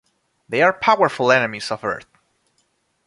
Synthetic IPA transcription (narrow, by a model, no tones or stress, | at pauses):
ðeɪaɹpʰaʊwəɹflˠɛnɨmizʌvɜ̰˞θ